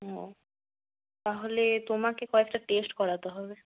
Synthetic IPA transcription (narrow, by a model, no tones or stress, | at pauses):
ɦo̰ | t̪aɦolet̪omakekɔek̚ʈaʈesʈkɔɾat̪eɦɔbe